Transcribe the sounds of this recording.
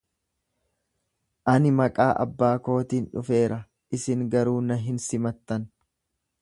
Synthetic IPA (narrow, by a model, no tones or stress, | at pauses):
ʔɐnɪmɐkʼaːʔɐ̰bːaːko̞ːt̪iːnᶑʊfe̞ːɾɐ | ʔɪsɪŋɡɐɾuːnɐɦɪnsɪmɐt̪ːɐn